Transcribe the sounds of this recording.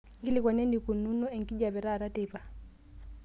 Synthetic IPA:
ŋɡi˦lɪkɔ˨nɛ˦ndi˨ku˨nu˦nɔ˦ɛ˨ŋ̩˨kʼi˦d͡ʒa˨βɛ˨ɾa˦˨ɾa˦tɛːpa

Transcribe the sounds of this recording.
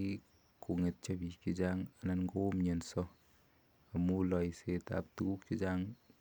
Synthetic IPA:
ku˨ŋe˨t̚t͡ʃe˦pi˨ki˦d͡ʒaŋa˨na˦nko˦mɲe˨nsɔ˦ | a˨mu˦lɔ˨jseta̰˨p̚tu˨ku˦k̚t͡ʃi˦d͡ʒaŋ

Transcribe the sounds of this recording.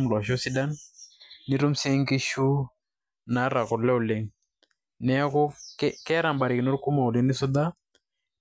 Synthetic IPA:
mlɔ˨ʃɔ˦si˦da˦nː | ɪ˦ɾu˦mse˦ŋki˦ʃu˦ | na˨˦ɾa˨kɔ˨ɾlɛ˦ʊ˨le˨ŋ | nɛ˦a˦kʊ˦kkɛ˦ɾa˨mba˨ɾɪ˨kɪ˨no˦ɾku˦ma˨ʊ˨lɪ˨˦nɪ˦sʊ˦d̪a˦

